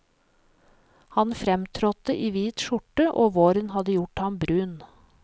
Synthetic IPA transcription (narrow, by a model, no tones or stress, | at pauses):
hɑnfɾɛmt̪ʰɾɔt̪əʔiːʋiːt̪ʃʊʈəʔoːʋoːɾənhɑd̪əjʊʈhɑmbɾʉːn